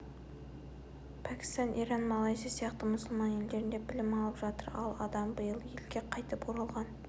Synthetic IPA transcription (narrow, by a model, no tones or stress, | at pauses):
pʰækʲɪ̥st̪ɑnʔḭɾɑnmɑlˠɑjzisijɑqt̪əmʊsʊlˠmɑnje̞ld̪e̞ɾɪnd̪ebɪlɪmɑlˠəpʒɑt̪əɾɑlˠɑd̪ɑmbəjəlˠje̞lɡʲeqʰɑjt̪əpoɾɑlˠʁɑn